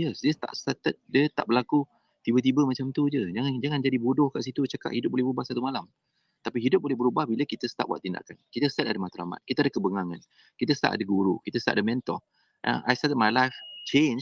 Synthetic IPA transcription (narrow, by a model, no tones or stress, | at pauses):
jəsdəst̪a̰ʔst̪at̪ət̪̚dət̪a̰ʔbəlaku | t̪ibət̪̬ibəmat͡ʃamt̪ud͡ʒəd͡ʒaŋand͡ʒaŋand͡ʒadibodɔhkaʔsit̪ut͡ʃaka̰ʔhidʊp̚bolɛhbəɾubahsat̪umalam | t̪apiɦidʊp̚bolɛhbəɾubahbiləkit̪əsə̥t̪a̰ʔwaʔt̪ːinda̰ʔkankit̪əst̪at̪adəmat̪aɾa̰ma̰t̪̚kit̪adakəbəŋaŋan | kit̪əst̪a̰ʔa̰dəɡuɾukit̪əst̪a̰ʔadəmɛnt̪ɔ̰h | ʔa̰ʔajsat̪ət̪̚malajft͡ʃen